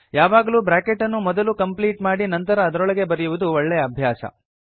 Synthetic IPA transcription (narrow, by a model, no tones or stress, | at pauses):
jaːʋaːɡɐluːbɾaːkeʈːɐnːumɔd̪ɐlukɐmpliːʈmaːɽinɐnt̪ɐɾɐːd̪ɐɾɔɭɐɡe̞bɐɾɐjuʋud̪uɔɭːɛjɐːbʱjaːʃɐ̰